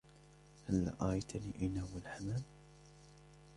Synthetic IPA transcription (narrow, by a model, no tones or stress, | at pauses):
halːa̰ʔaːjt̪ʰaniːʔɪnawɪlħamam